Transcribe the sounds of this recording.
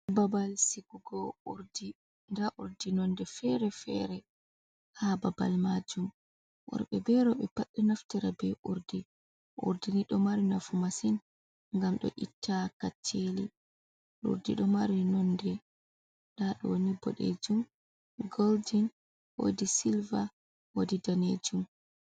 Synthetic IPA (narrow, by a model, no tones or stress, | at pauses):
babalsiɡuɡɔuɾdi | ndaʔuɾdinɔndɛfɛɾɛfɛ̰ɾɛ | hababa̰lmad͡ʒum | ʔɔ̰ɾɓɛbɛɾɔɓɛpaɗːinaftiɾabɛʔuɾdi | ʔṵɾdiniɗɔmaɾinafumasin | ŋɡamɗɔ̰ʔitʰːakat͡ʃːeli | ɗṵɾdḭɗɔmaɾinɔndɛ | ɗaɗɔnibɔ̰ɗḛd͡ʒum | ɡoldin | wo̰disilva | wodidaned͡ʒum